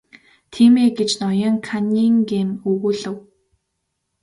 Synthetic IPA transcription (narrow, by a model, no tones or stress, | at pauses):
t̪ʰiːmeːɡet͡ɕnɔjɞ̆ŋkʰaniŋɡemɵɣuːɮɘ̆w